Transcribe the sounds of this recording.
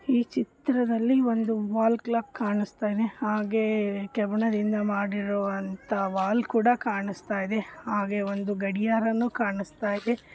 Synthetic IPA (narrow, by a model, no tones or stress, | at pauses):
iːt͡ʃit̪ɾɐd̪ɐlːio̞nd̪uʋaːlklaːk̚kaːɳist̪aːjid̪e̞haːɡe̞kɛbɳɐd̪ind̪ɐmaːɽiɾɔʋɐnt̪ɐʋaːlkuːɽɐkaːɳist̪aːjid̪e̞haːɡe̞o̞nd̪uɡɐɽijaːɾɐnːuːkaːɳist̪aːjid̪e̞